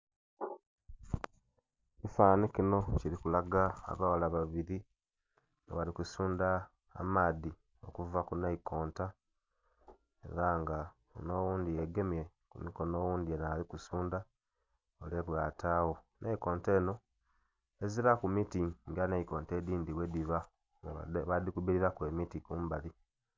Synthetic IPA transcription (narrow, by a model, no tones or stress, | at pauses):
ifaːnikino̞ciɾikulaɡa̰ːβawalaβaβiɾi | ŋwalikusuːnda̰ː | maːði | o̞̰kuvakunaiko̞ːnta | e̞̰ɾaŋɡa | ono̞ːwuːnd̪ijeɡe̞mje̞ | kumiko̞no̞wuːnd̪ienalikusuːnda | ole̞βwaːtʰaːwo̞ | nʔeiko̞ːnte̞ːno̞ | e̞ziɾakumitiŋɡanaiko̞ːnteːdiːndiwediβa | ŋɡaβadikuβiɾiɾakwe̞ːmitikuːmbali